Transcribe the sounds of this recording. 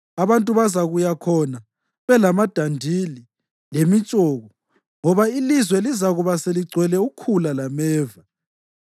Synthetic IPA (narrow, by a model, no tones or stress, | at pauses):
aβantʼuβazaɣujakʰɔna | βɛlamad̥ʱandʱili | lemit͡ʃʼɔːɣɔ | ŋɔβailizwɛlizaɣuβaseliɡ͡ǀʱwɛlɛukʰulalamɛːva